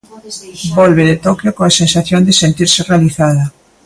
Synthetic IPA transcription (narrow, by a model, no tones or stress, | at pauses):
bɔlβeðet̪okjokõasensaθjond̪ɪsent̪iɾsɪrealiθaðɐ